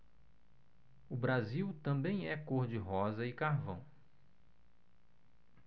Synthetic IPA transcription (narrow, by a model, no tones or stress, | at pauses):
ʊbɾaziwt̪ɐ̃bẽj̃ɛkoɾd͡ʒɪɦɔzɐɪkaɾvɐ̰̃w̃